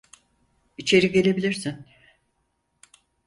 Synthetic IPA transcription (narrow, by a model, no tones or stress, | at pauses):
it͡ʃʰe̞ɾiɡe̞lʲe̞bilʲiɾsin